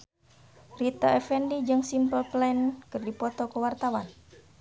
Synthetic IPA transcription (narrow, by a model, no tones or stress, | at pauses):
rit̪aɛfɛndid͡ʒɨŋsimpəlplɛnkɨrdipɔt̪ɔkəwart̪awan